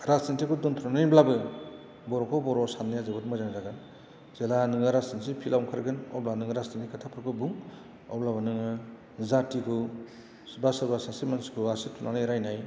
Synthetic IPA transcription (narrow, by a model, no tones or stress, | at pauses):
ɾasintʰikʰudɔnt̪ʰuɾanɯjblabɯ | bɔɾɔkʰɔbɔɾɔsanijazɯbɯt̚mɯzanaɾaɡɯn | zelanɯŋɯɾastinsipʰilawŋkʰaɾɡɯnɔ̰blanɯŋɯɾastinikʰatʰapʰɯɾkʰɯbuŋ | ɔ̰blabanɯŋɯ | zatikʰɯ | basaɾbasasimansi̥kʰɯasitʰunanɯjɾajnaj